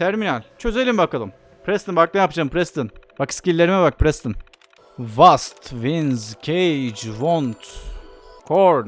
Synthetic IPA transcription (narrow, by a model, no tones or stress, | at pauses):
t̪ʰæɾminælʲt͡ʃʰø̞ze̞lʲimbakalˠɯm | pʰɾɛst̪ɯnbak̚nɛjapad͡ʒampʰɾɛst̪ɯnbakscʲilʲːe̞ɾimɛbak̚pʰɾɛst̪ʰɯn | vast̪vinzcʰejd͡ʒvont̪ | kʰoɾn